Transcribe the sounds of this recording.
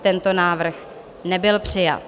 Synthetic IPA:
t̪ɛnt̪o̞naːvr̩x | nɛbɪlpr̝̥ɪja̰t̪

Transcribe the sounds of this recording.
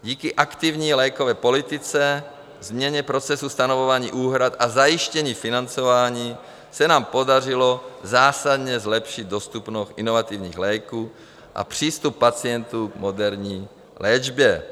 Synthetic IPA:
ɟiːkiʔakt̪ivɲiːlɛjkovɛːpolit̪ɪt͡sɛ | zmɲɛɲɛpɾot͡sɛsust̪anovovaːɲḭːʔuːɦɾat̪ʔazajiʃcɛɲiːfinant͡sovaːɲiː | sɛnaːmpodarɪlozaːsad̪ɲɛzlɛpʃɪd̪̚d̪ost̪upnoxʔinovat̪ivɲiːɣlɛjkuː | ʔa̰pr̝̥iːst̪upːat͡sɪɛnt̪umodɛɾɲiː | lɛːd͡ʒbjɛ

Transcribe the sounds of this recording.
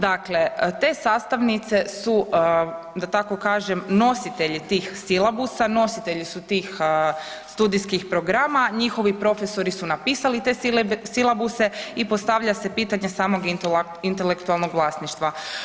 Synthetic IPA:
d̪akle̞t̪e̞saːst̪aʋnit̪se̞su | d̪at̪ako̞kaːʒemno̞sit̪e̞ʎit̪iːxsilˠabusano̞sit̪e̞ʎisut̪iːx | st̪ud̪iskixpɾo̞ɡɾaːmaɲixo̞ʋipɾo̞fe̞so̞ɾisunapiːsalit̪e̞ilsilˠabuse̞ipo̞st̪aʋʎase̞piːt̪aɲe̞saːmo̞ɡ | int̪elekt̪ualˠno̞ɡʋlˠaːsniʃt̪ʋa

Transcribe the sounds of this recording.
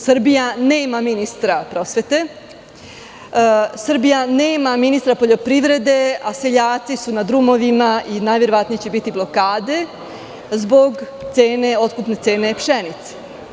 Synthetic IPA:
sr̩bijaneːmaminist̪ɾapɾo̞sʋe̞t̪e̞ | sr̩bijaneːmaminist̪ɾapo̞ʎo̞pɾiʋɾe̞d̪e̞ase̞ʎaːt̪sisunad̪ɾumo̞ʋimaʔinajʋje̞ɾo̞ʋat̪nijet͡ɕe̞bit̪iblˠo̞kaːd̪e̞ | zbo̞ɡt̪seːne̞o̞t̪kupne̞t̪se̞ːne̞pʃenit̪se̥

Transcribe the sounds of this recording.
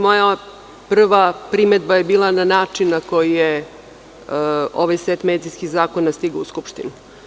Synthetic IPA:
mo̞ja | pr̩ʋapɾimed̪bajebiːlˠananaːt͡ʂinːako̞jije | o̞ʋajset̪meːd̪ijskiɣzaːko̞nast̪iɡao̰uskupʃt̪inu

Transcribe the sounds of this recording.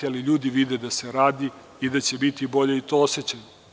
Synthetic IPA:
aliʎuːd̪iʋid̪ed̪aseɾaːd̪i | id̪at͡ɕe̞bit̪ibo̞ʎe̞it̪o̞oset͡ɕajo

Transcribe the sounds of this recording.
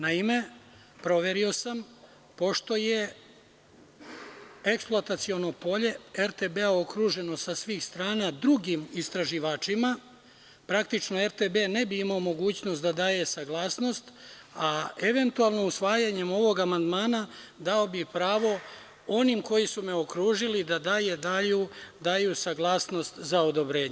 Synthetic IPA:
naime̞ | pɾo̞ʋe̞ɾio̞sam | po̞ʃt̪o̞je̞ | eksplˠoat̪at̪sio̞no̞po̞ʎe̞eɾt̪ebeao̞kɾuːʒe̞no̞sasʋiːxst̪ɾaːnad̪ɾuɡimist̪ɾaʒiʋaːt͡ʂima | pɾakt̪it͡ʃno̞eɾt̪ebenebiimaomo̞ɡuːt͡ɕnost̪d̪ad̪aːje̞saɡlˠaːsno̞st̪ | aeʋe̞nt̪ualˠno̞usʋaːjaɲe̞mo̞ʋo̞ɡamand̪maːnad̪ao̞bipɾaːʋo̞ | o̞nimko̞jisumeokɾuːʒilid̪ad̪aːjed̪ajud̪aːjusaɡlˠaːsno̞st̪zaod̪o̞bɾe̞ːɲe

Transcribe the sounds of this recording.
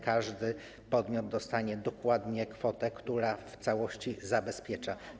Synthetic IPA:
kaʐd̪ɘ | pɔd̪mʲjɔd̪ːɔst̪aɲɛd̪ɔkwad̪ɲɛkfɔt̪ɛkt̪uɾaft̪sawɔɕt͡ɕizabɛspʲjɛt͡ʂa

